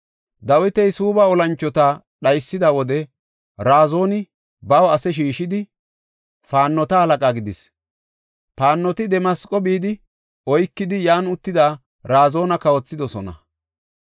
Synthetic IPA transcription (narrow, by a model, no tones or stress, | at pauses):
d̪ɐwɪt̪ɛjsuːbɐɔlɐnt͡ʃːɔt̪a | ɗɐjsːɪd̪ɐwɔd̪ɛ | ɾaːzo̞ːnɪ | bɐwɐsɛʃ̬iːʃɪd̪ɪ | faːnːɔt̪ɐhɐlɐkʼaːɡɪd̪ɪs | faːnːɔt̪ɪd̪ɛmɐskʼɔbiːd̪ɪ | ɔjkːɪd̪ɪjaːnʊt̪ːɪd̪aː | ɾaːzo̞ːnɐkɐwɔt͡sːɪd̪ɔsɔnɐ̰